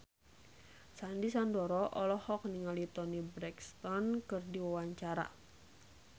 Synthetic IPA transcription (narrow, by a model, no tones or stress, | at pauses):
sandisandɔɾɔʔɔlɔhɔk̚niŋalit̪ɔnibɾɛkst̪ɔnkɨrdiwawaɲt͡ʃaɾa̰